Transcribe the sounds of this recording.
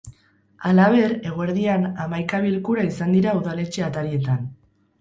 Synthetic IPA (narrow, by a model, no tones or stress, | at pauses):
alaβ̞e̞ɾe̞ɣ̞oeɾðianamajkaβ̞ilkuɾaisand̪iɾauðale̞t͡ʃe̞at̪aɾie̞t̪an